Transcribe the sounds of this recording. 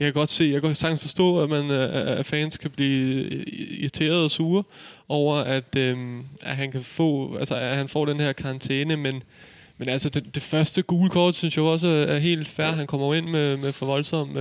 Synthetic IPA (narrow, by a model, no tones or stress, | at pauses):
jɑkʰæɡ̥ɒ̽d̥se̝̰ːjakɡ̥sɑ̈ɡ̥n̩sfɒ̽sd̥ɔ̰̽ːæmænfɛːnskʰæb̥liː | iʁit͡sʰe̝̰ːɐð̞ˠsuːɐɒʊ̰ɐæd̥ømæɦænkʰæfɔ̰ːælsəæhænfɒ̰ːd̥enheɐkʰɑ̈ɑ̈nt͡sʰeːnəmen | menælsəd̥ed̥e̝fɶɐsd̥əɡ̥uːlkʰɒːd̥synsjaoɒ̽s̬əæɐɦe̝̰ːld̥fæɐɦænkʰɒ̽m̰ɐjoe̝n̰memefɒʋɒ̽lsɒ̽m̰